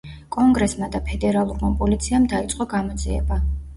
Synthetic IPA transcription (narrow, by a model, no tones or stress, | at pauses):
kʼɔŋɡɾɛsmad̪apʰɛd̪ɛɾalˠuɾmapʼɔlit̪sʰiamd̪ait̪sʼqʼɔɡamɔd̪zʼḭɛ̰ba